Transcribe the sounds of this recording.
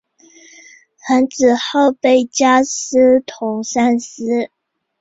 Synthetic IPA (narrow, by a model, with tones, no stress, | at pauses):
xa˧˥nt͡sɹ̩˨˩xo˥˧ʊpe˥˩ɪt͡ɕja˥s̩˥t̪ʰʊ˧˥ŋsa˥ns̩˥